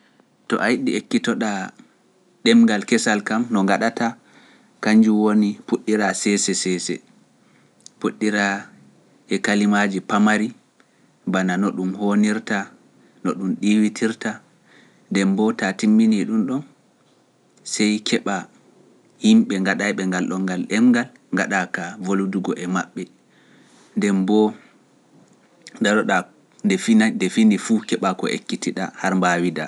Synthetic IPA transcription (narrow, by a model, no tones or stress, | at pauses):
tɔ̰ʔajɗiekːitɔɗa | ɗɛmɡalkɛsalkamnɔŋɡaɗata | kaɲd͡ʒuwonipuɗːiɾasɛsɛsɛsɛ̰ | puɗːiɾa | ɛkalimad͡ʒipamaɾi | bananɔɗumhoniɾta | nɔɗumɗiwitʰiɾta | ndɛmbɔtatimːiniɗumɗɔn | sɛjkʰɛɓa | himɓɛŋɡaɗajɓɛŋɡalɗɔŋɡalɗɛmɡal | ŋɡaɗakavoluduɡɔʔɛmaɓːɛ | ndɛmbɔ | daɗɔɗa | dɛfindɛfinifukɛɓakɔ̰ʔḛkːitiɗa̰haɾmbawida